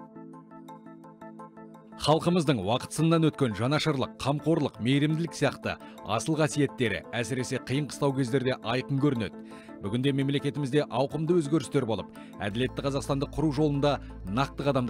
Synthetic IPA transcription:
χɑlˠqəməzd̪əɴwɑqə̥t̪sənənːɑnwɵt̪kʲe̞nʒɑnɑʃəɾlˠəqʰːɑmqo̞ɾlˠəqme̞jɾɪmd̪ɪlɪksijɑqt̪ə̰ | ɑ̰səlˠqʰɑsije̞t̪ːe̞ɾɪ̰æsɪɾe̞se̞qʰəjəɴqʰə̥st̪ɑwkʲʰe̞zd̪e̞ɾd̪e̞ʔɑjqəŋkʲʰɵɾɪne̞̰t̪ | bʏɡʲɪnd̪e̞me̞mle̞kʲe̞t̪ɪmɪzd̪e̞ʔɑwqəmd̪əwɵzɡʲeɾɪst̪e̞ɾbo̞lˠəp̚ | æ̰d̪ɪle̞t̪ːɪqʰɑzɑqst̪ɑnd̪əqʰʊɾuʒo̞lˠənd̪ɑ | nɑq̚t̪əqɑd̪ɑmd̪

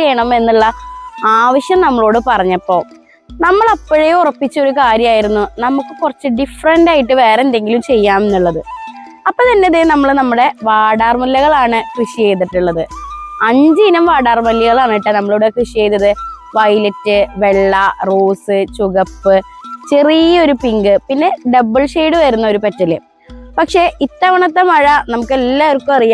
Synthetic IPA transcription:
eːɳɐme̞nːuɭːɐaːʋɐɕjɐmnɐmːɐɭo̞ːɽɨpɐrɐɲːɐpːo̞ː | nɐmːɐɭɐpːoɻejurɐpːit͡ɕːo̞ɾukaːɾjɐmaːjiɾunːunɐmukːɨkurɐt͡ɕːɨɖifɐrɐndaːjiʈːɨʋe̞ːɾɐende̞ŋɡilumt͡ɕe̞jːaːme̞nːuɭːɐðɨ | ɐpːo̞ːt̪ɐnːeɐðenɐmːɐɭnɐmːuɽe̞ʋaːɽaːrmɐlːɐɣɐɭaːɳɨkrɨʂiejd̪iʈːuɭːɐðɨɐɲd͡ʑɨinɐmʋaːɽaːrmɐljɐɣɐɭaːɳijʈːɨnɐmːɐɭuɽe̞krɨʂiejd̪ɐðɨ | ʋɐjlɐtːɨʋe̞ɭːɐroːsɨt͡ɕuɣɐpːɨt͡ɕe̞rijɐo̞ɾupiŋɡɨpinːe̞ɖɐbɨlʂeːɽɨʋɐɾunːɐo̞ɾupɐtːɐle | pɐkʂe̞ʔit̪ːɐʋɐɳɐt̪̬ːemɐɻɐnɐmukːelːaːrkːuɐrija

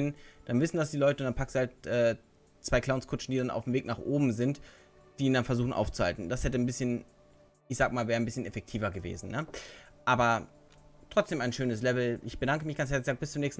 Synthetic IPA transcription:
ɪnd̥anvɪsn̩dasd̥iːlɔʏtəʊntd̥anmpakstd̥uhaltʔɛː | t͡sv̥aɪkl̥aʊnskʰʊt͡ʃn̩diːdana̰ʊfm̩veːknaːχʔoːbm̩zɪnt | d̥iːiːndanfɛɐzuːχn̩ʔa̰ʊft͡suha̰ltn̩d̥ashɛtənbɪsçən | ʔɪçz̥aːɡəmaːlvɛːʁənbɪsçənɛfɛk̚tʰiːvɐɡəvḛːzn̩nə | ʔaːbɐ | tʁ̥ɔt͡sd̥eːmaɪnʃøːnəslɛvl̩ʔɪçb̥ədaŋkəmɪçɡ̥ant͡shɛɐlɪçz̥aːɡəbɪst͡sʊmnɛːçstn̩

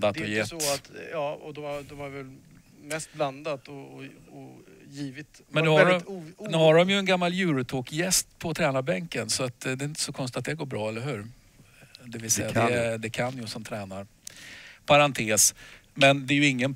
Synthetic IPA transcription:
d̪at̪ɔjɛɔat̪jɑːɔd̪ɔad̪ɔaɾvɛl | mɛst̪̚bland̪at̪ɔɔɔjiːvɪt̪ | mɛnʉɛɪnʉhaɖɔmjɵɛnɡamːaljʉ̟ːɾʉt̪ʰoːkjɛst̪pʰɔt̪ʰɾɛːnabɛŋkənsɔat̪d̪ɛɾɪnt̪ːə̥sɔkʰɔnst̪ɪt̪at̪̚d̪ɛæɡoːbɾɑːɛlːəɾɦʉ̟ːɾ | d̪ɛvɪlsɛjaɛd̪ɛkʰanjʊsɔmt̪ʰɾɛːnaɾ | pʰaɾant̪ʰeːs | mɛnd̪ɛːjɵɪŋːən

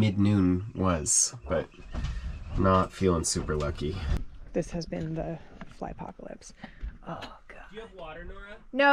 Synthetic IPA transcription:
mɪdⁿnʉ̃nwʌz̥b̥ʌt̚ | nətfilˠɪ̃ŋsʉpə˞lʌkiðɪshɨzbɨ̰̃nðɨfla̰ɪpʰɑ̰kəlˠɪ̰psʔoɡ̥ | no

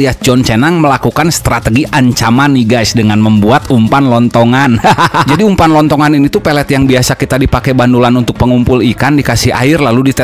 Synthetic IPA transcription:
iad͡ʒɔnt͡ʃɛnaŋməlakukanst̪ɾat̪əɡiʔaɲt͡ʃamanːiɡajsdəŋanməmbuat̪umpanlɔnt̪ɔŋand͡ʒadiumpanlɔnt̪ɔŋaninit̪upɛlɛt̪jaŋbiasakit̪adipakɛbandulanunt̪ʊk̚pəŋumpʊlikandikasɪha̰ɪrlaludit̪ə

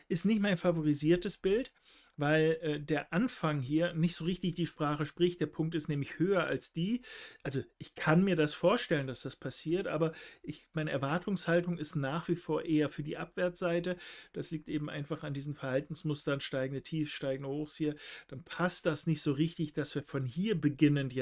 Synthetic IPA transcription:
ʔɪstnɪçtmaɪnfavoʁ̞iziːɐtəsb̥ɪlt | vaɪlɛːdeːɐʔanfaŋɦiːɐnɪçtz̥oːʁ̞ɪçtɪçd̥iːʃpʁ̥aːχəʃpʁ̥ɪçt̚d̥eːɐpʰʊŋktɪstnɛːmlɪçhøːɐʔa̰lsd̥iːʔalzoʔɪçkʰanmiːɐdasfoːɐʃtɛləndasd̥aspʰasiːɐtʔaːbɐʔɪçmaɪnəʔɛɐvaɐtʰʊŋshaltʊŋɪstnaːχv̥iːfoːɐʔeːɐfyːɐdiːʔapv̥ɛɐt͡sz̥aɪtəd̥asliːk̚tʔeːbm̩ʔa̰ɪnfaχandiːzm̩fɛɐhaltn̩smʊstɐnʃtaɪɡŋ̩dətʰiːfʃtaɪɡŋ̩dhoːxsiːɐd̥anpʰast̚d̥asnɪçtz̥oːʁɪçtɪçd̥asv̥iːɐfɔnhiːɐbəɡɪnənj

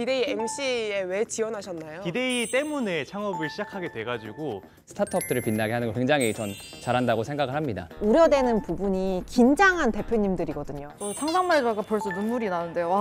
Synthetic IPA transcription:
pide̞iemɕ͈ie̞we̞t͡ɕiwʌnɦaɕʰʌnːajopide̞it͈emune̞t͡ɕʰaŋʌbɯɭɕʰid͡ʑakʰaɡe̞twe̞ɡad͡ʑiɡo | sʰɯ̥tʰatʰʌp̚t͈ɯɾɯɭpinːaɡeɦanɯnɡʌkweŋd͡ʑaŋɦit͡ɕʌn | t͡ɕaɾɦandaɡosʰe̞ŋɡaɡɯɭhamɲida̰uɾjʌdwe̞nɯnpubuɲikind͡ʑaŋɦante̞pʰjoɲimdɯɾiɡʌdɯɲoʌsʰaŋsʰaŋmaɭd͡ʑaɡapjʌɭs͈onunmuɾinanɯnde̞joa

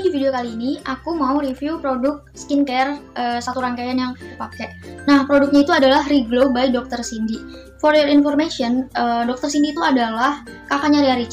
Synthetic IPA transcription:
difideokaliːniʔakumaurifjupɾodʊk̚sə̥kinkɛrəsat̪uɾaŋkajanjaŋpakɛʔnahpɾodʊk̚ɲait̪uadalaɦriɡlobaj̚dɔk̚t̪ərsindi | fɔrjɔrinfɔrmasiɔnədɔk̚t̪ərsindiːt̪uadalahkakaɲaɾiaɾit͡ʃ

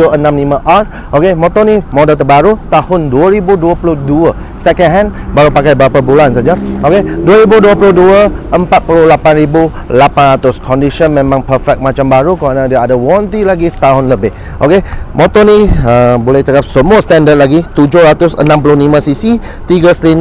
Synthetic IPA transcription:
ənãmnimaʔar | ʔokemɔt̪ɔnimodəlt̪əbaɾut̪ahʊnduəɾibuduəpulʊhduə | sɛkənɦɛ̃nbaɾupakajbəɾapabulansad͡ʒaʔokeduəɾibuduəpulʊhduəʔəmpat̪̚pulʊhlapanɾibu | lapanɾat̪ʊskʰɔndiʃənmẽmãŋpəfɛk̚mat͡ʃambaɾukəɾanadiaadawɔnt̪ilaɡi̥t̪aɦʊnləbɪh | ʔo̰kemɔt̪ɔniəbolɛht͡ʃakap̚səmuəst̪ɛndət̪̚laɡit̪ud͡ʒʊhɾat̪ʊsə̰nãmp̬ulʊnimãsisi | t̪iɡəst̪ɾin

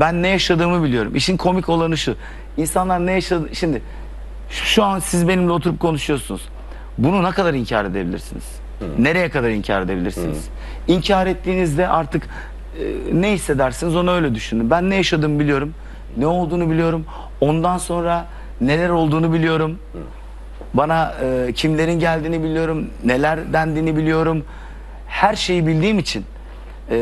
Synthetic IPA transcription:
bænːɛjaʃad̪ɯːmɯbilʲijo̞ɾṵmʔiʃinkʰo̞micʰo̞lˠanɯʃu | insanlˠaɾnɛjaʃad̪ʃimd̪ɪ | ʃʃuansizbe̞nimlʲɛot̪ʰuɾup̚kʰo̞nuʃujo̞ɾsunuz̥ | bununakad̪aɾiɲcʰa̰ːɾe̞d̪e̞bilʲḭɾsinḭzz̥ | ne̞ɾe̞jɛkad̪aɾiɲcʰa̰ːɾe̞d̪e̞bilʲiɾsḭnḭz̰̥ | iɲcʰaːɾɛt̪ʰːiːnizd̪ɛʔaɾt̪ʰɯk | neɦisːe̞d̪æɾsinizo̞naø̞jlʲɛd̪yʃynd̪ymbænːɛjaʃad̪ɯːmbilʲijo̞ɾum | nɛo̞lˠd̪uːnubilʲijo̞ɾum | o̞nd̪anso̞nɾa | ne̞lʲæɾo̞lˠd̪uːnubilʲijo̞ɾum | banaɯcʰimlʲe̞ɾinɟælʲd̪iːnibilʲijo̞ɾumne̞lʲæɾd̪ænd̪iːnibilʲijo̞ɾum | hæɾʃe̞jibilʲd̪iːmit͡ʃʰin

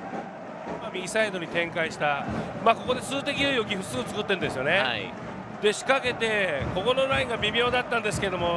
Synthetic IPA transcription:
mamʲiisaid̪o̞ɲ̟it̪ẽ̞ŋkaiɕi̥t̪amaːko̞ko̞d̪e̞sɨːt̪e̞kʲijojo̞ɡʲiɸɯ̟sɨːt͡sɨ̥kɯ̟t̪ːend̪e̞sɨjo̞ne̞ | d̪̥e̞ɕi̥kake̞t̪e̞ko̞ko̞no̞ɾaĩŋɡabʲimʲo̞ːd̪at̪ːãnd̪esɨ̥keed̪o̞mo̞

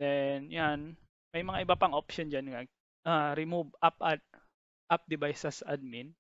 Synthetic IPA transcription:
d̪ɛnjan | mɐjmɐŋaʔɪbapaŋʔop̚ʃond͡ʒanŋa | ʔaɾɪmubap̚ʔad̪̚ | ʔap̚d̪ɪbajsɛsʔɐd̪̚min

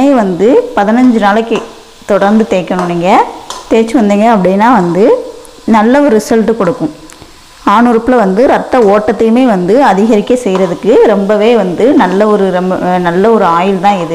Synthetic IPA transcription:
eʋɐnd̪ɯpɐðɪnɐɲd͡ʒɯnaːlɐkːɯ | t̪ɔɽɐɾnd̪ɯt̪eːkːɐɳʊ̃niːŋɡɐt̪eːt͡ʃːɯʋɐnd̪iːŋɡɐːpːɐɽɪnːaːʋɐnd̪ɯ | nɐlːɐɔɾɯsɐlʈːɯkɔɽɯkːʊ̃ | aːɳɯɾɯpːɪlɐʋɐnd̪ɯɾɐt̪ːɐoːʈːɐt̪ːɪlɯmeːʋɐnd̪ɯɐðɪɣɐɾɪkːɐsɛjɾɐðɯkːɯɾɛmbɐʋeːʋɐnd̪ɯnɐlːɐɔɾɯɾɛnɐlːɐɔɾɯaːjɪlt̪ãːɪðɯ

